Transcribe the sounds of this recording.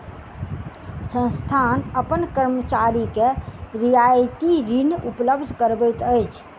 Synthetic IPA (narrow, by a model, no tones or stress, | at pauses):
sə̃nst̪ʰanəpənkəɾmət͡ʃaɾikeɾijajt̪iɾinupləbd̪ʱkəɾbət̪əjt͡ʃʰ